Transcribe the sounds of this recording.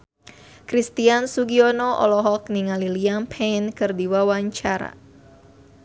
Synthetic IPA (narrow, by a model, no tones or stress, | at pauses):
kɾist̪iansuɡiɔnɔʔɔ̰lɔɦɔk̚niŋaliliampʰenkɨrdiwawaɲt͡ʃaɾa̰